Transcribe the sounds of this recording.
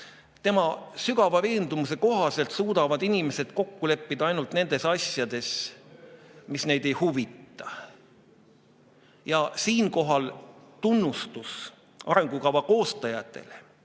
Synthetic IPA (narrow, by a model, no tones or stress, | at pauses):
t̪e̞mɑsyɡɑvɑve̞ːnd̪̥umuse̞ko̞ɦɑse̞lt̪suːd̪ɑvɑd̪̥inime̞se̞d̪̥ko̞kːule̞pːid̪̥ɑɑjnult̪ne̞nd̪̥e̞sɑsjɑd̪e̞s | misne̞jd̪̥e̞jhuvit̪ːˑɑ | jɑsiːnko̞ɦɑlt̪unːust̪us | ʔɑɾe̞ŋɡ̥ukɑvɑko̞ːst̪ɑjɑt̪ːˑe̞̰le